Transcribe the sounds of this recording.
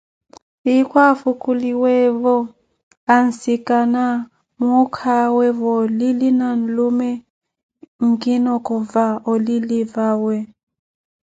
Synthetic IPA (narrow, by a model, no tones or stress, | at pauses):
ikwafukuliwɛvɔ | an̩sikana | mukʰawɛvɔlilinan̩lumɛ | ŋkinɔkɔvaɔlilivawɛ